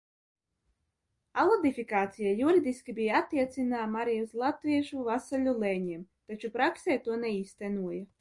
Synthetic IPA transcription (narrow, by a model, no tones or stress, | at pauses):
alˠɔd̪ʲifʲikaːt̪sijajuɾid̪ʲiskʲibʲijaat̪ːiɛt̪sʲinamaɾiuzlˠat̪vʲiɛʒuvasalʲulˠɛɲiɛmt̪at͡ʃupɾaksɛːt̪uɔnɛiːst̪ɛnuɔja